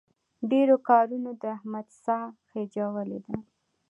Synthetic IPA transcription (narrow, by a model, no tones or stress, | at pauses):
ɖeɾokɑɾunod̪əahmad̪sɑxed͡ʒawəlḛd̪a